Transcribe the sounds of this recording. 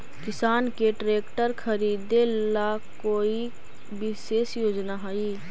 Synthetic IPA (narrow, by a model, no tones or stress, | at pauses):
kɪsaːnkeʈɾeːkʈəɾkʰəɾiːd̪elakoːi | bɪʃeːsjoːd͡ʒnaɦaːiː